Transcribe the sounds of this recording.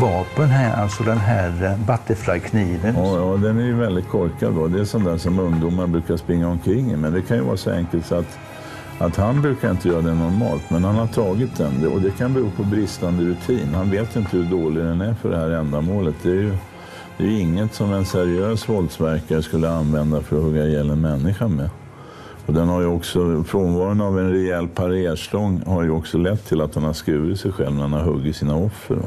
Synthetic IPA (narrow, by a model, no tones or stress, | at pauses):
vɑːpənæɾʔa̰lt̪sɔd̪ɛnɦæːɾbat̪ːəflajkʰniːvənːjɑːd̪ɛnæjɵvɛld̪ɪt̪̚kʰɔɾkad̪ɔd̪ɛæʂɔnd̪æːʂɔmɵŋd̪uːmanbɾʉ̟ːkaʂpɾɪŋːaɔmkʰɾɪŋːɪmɛnd̪ɛkʰanjɵvɑ̰ːɾasɔɛ̰ŋkəlt̪sat̪ | ʔat̪hanbɾʉ̟ːkaɾɪnt̪əjœːɾad̪ɛnɔɾmɑ̰ːlt̪mɛnhanhaʈʰɑːɡɪt̪̚d̪ɛnd̪ɛɔd̪ɛkʰanbɛɾuːpʰɔbɾɪst̪and̪əɾɵt̪ʰiːnhanveːt̪ɪnt̪əhɵɖoːlɪɡd̪ɛnæɾfœɖɛhæːɾɛnd̪amoːlət̪̚d̪ɛæːɾjɵ | d̪ɛjɵɪŋːət̪sɔmɛnsæɾɪøːsvɔld̪svæɾkaɾəskɵlːəanvɛnd̪afœɾɔhɵɡːajɛlːənmɛnːɪɧanmɛ | ɔd̪ɛnhaɾjɵɔksɔfɾoːnvɑːɾənavɛnɾɛɛlpʰaɾeːʂlɔŋːhaɾjɵɔksɔlɛt̪ʰːɪlat̪hanhaskɾʉ̟ːɪt̪sɛjɧɛ̰lvmnæɾhanaɾɦɵɡːɪsiːnaɔfːə̰ɾɔ̰